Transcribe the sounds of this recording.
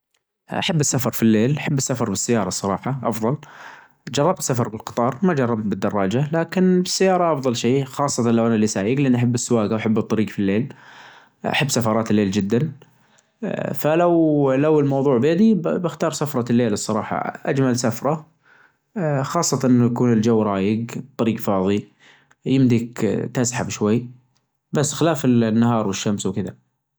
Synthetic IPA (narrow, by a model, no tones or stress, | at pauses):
ʔa̰ħabːɪsːafɑɾˤfilːeːlʔaħabːɪsːafɑɾˤbɪsːajɑːɾˤɑsˤːɑɾˤɑːħɑʔɑfðˤɑl | d͡ʒɑrˤːɑb̚t̪sːafɑɾˤbɪlqɨ̥t̪ˤɑːɾˤmad͡ʒɑrˤːɑb̚t̪̚bɪd̪ːɑrˤːɑːd͡ʒalaːkɪnbɪsːajːɑːɾˤɑʔɑfðˤɑlʃeːxɑːsˤːɑt̪ɑnlawʔanalːisaːjɪɡlʔɪnːʔaħabːɪsːʊwaːɡawaħabːɨt̪ˤːɑɾiːɡfilːeːl | ʔa̰ħabːsafɑɾˤɑːt̪ɪlːeːld͡ʒɪd̪ːan | falawlawɪlmɑwðˤuːʕbjad̪ibɪxt̪ɑːɾˤsafɾˤɑlːeːlɨsˤːɑɾˤɑːħɑ̰ʔad͡ʒmalsafɾˤɑ | xɑːsˤːɑt̪ɑʔɪnːjakuːnɪld͡ʒawːɾˤɑːjɪɡt̪ˤːɑɾiːɡfɑːðˤi | jɪmd̪ikt̪asħabʃwajː | basːxɪlaːfɪlnːahɑːɾˤwɪʃːamswkɪða̰